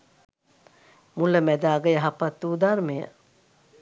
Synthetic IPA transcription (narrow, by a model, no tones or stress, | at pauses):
muləmæd̪aːɡəjaɦapat̪ːuːd̪armejə̰